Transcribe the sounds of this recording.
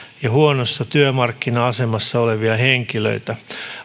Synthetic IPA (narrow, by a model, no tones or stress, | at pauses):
jɑhuonosːɑt̪yømɑrkːinɑɑse̞mɑsːɑoleʋiɑɦeŋkilø̰it̪æ